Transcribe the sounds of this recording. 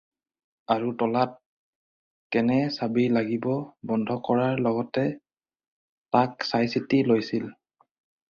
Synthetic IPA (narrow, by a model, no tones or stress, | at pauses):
aɹutɔlat̚ | kɛnɛsabijlaɡibɔbɔndʱɔkɔɹaɹlɔɡɔtɛ | taksajsitilojsil